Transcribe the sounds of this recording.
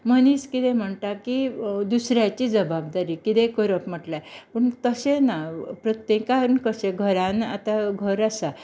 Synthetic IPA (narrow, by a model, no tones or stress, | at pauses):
məniːskit̪ẽm̤əɳʈ̪akid̪usɾjat͡ɕiːd͡zəbab̚d̪aɾiːkit̪ẽkəɾəpm̤əʈlapəɳt̪əsenapɾət̪jekaɾunkəsẽɡʱəɾãna̰t̪aɡʱəɾəsa